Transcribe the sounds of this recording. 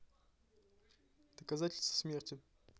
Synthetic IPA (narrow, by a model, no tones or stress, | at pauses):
d̪̥əkazatʲɪlʲst̪v̥ə̥smʲertʲɪ